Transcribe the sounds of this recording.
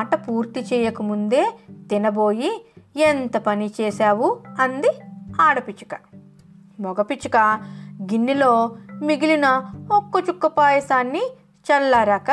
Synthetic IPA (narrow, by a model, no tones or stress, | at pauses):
ʈɐpuːɾt̪it͡ʃɛːjɐkɐmund̪e̞ːt̪inɐbo̞ːjient̪ɐpɐnit͡ʃɛːsaːʋuɐnd̪iaːɽɐpit͡ʃɐ̥kɐ | mɔɡɐpit͡ʃukɐɡinːilo̞ːmiɡilinɐokːɐt͡ʃukːɐpaːjɐsaːnːi | t͡ʃɐlːaːɾaːka